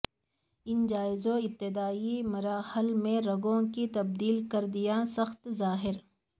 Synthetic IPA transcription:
ɪnd͡ʒaːɪzõɪb̚t̪ɪd̪aːimɐɾaːhəlmẽɾɐɡõkit̪ɐb̚d̪iːlkɐɾd̪ijasɐxt̪zaːɦɪɾ

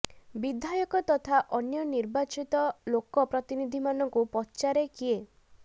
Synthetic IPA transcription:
bid̪ʱajɔkɔt̪ɔt̪ʰaʔɔnjɔniɾbat͡ʃit̪ɔlokɔpɾɔt̪inid̪ʱimanɔŋkupɔtːt͡ʃaɾekie

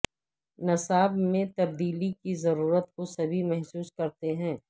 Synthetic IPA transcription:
nɐsaːbmẽt̪ɐb̚d̪iːlikizɐɾuːɾət̪̚kosɐbʱimɛɦsuːskɐɾt̪eɦɛ̃ː

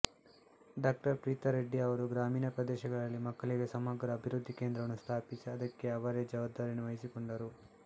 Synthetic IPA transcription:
ɖaːk̚ʈɐɾpʋit̪ɐɾeɖːiɐʋɐɾuɡɾaːmiːnɐpɾɐd̪ɛːʃɐɡɐɭɐlːimɐkːɐɭiɡesɐmɐɡɾɐːbʱiɾud̪ʱːikeːnd̪ɾɐʋɐnust̪ʰaːpisiɐd̪ɐkːe̞ɐʋɐɾed͡ʒɐʋaːb̚d̪aːɾinuʋɐjisiko̞ɳɖɐɾu

